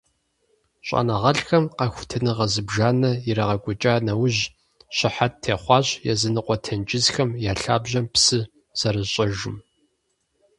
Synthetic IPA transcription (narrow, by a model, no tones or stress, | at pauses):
ɕʷʼa̰nɐʁɐɬxɐmqɐxʷʊtʰɐnɨʁɐzɨbʒaːnɐjɪɾɐʁɐɡʷʼʊt͡ʃʼaːnɐwʊʑ | ɕɪħat̚tʰeːχʷɑːɕjɛ̰zɨnɨqʷʼɔtʰɐnt͡ʃʼɪzxɐmjaːɬaːbʑɐmpsɨ | z̥ɐɾɨɕʼɐʒɪm